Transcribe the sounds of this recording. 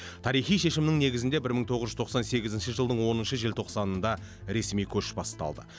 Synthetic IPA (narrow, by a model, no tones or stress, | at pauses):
t̪ʰɑɾijχijʃe̞ʃɪmnɪŋne̞ɡʲɪzɪnd̪e̞bɪɾməŋɴt̪ʰo̞ʁəzʒʏzt̪ʰo̞qsɑnse̞ɡʲɪzɪnʃəʒəlˠd̪əɴwo̞nənʃəʒelʲt̪ʰo̞qsɑnənd̪ɑ | ɾe̞smijkʲʰɵʃbɑst̪ɑ̰lˠd̪ə̰